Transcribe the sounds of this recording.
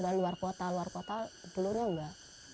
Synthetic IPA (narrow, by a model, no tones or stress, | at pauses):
udaluarkot̪aluarkot̪ad̪̥olʊrɲaŋɡaʔ